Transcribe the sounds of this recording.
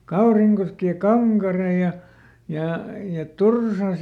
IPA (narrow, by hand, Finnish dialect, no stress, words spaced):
kɑuriŋkoski jɑ kɑŋkɑre jɑ jɑ jɑ tursɑs